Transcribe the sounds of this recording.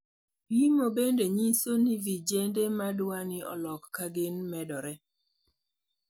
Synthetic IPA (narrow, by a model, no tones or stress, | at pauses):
wimobendeɲisonivid͡ʒendemadwanɪʔɔ̰lɔkːaɡɪnmɛdɔɾɛ